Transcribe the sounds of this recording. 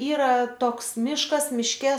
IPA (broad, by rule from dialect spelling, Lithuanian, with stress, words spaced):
ˈiːrɐ ˈtoːks ˈmʲɪʃkɐs ˈmʲɪʃʲkʲɛ